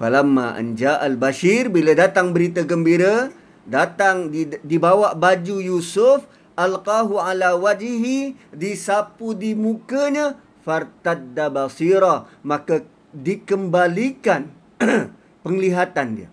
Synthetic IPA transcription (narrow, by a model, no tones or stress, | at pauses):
falamːa̰ʔə̰nd͡ʒaʔalbaʃirbiladat̪aŋbəɾit̪aɡəmbiɾə | dat̪aŋdibawaʔbad͡ʒujusʊf | ʔalqaɦualawad͡ʒɦidisapudimũkəɲã | fart̪ad̪abasiɾamaka | dikəmbalikan | pəŋliɦat̪andiə̰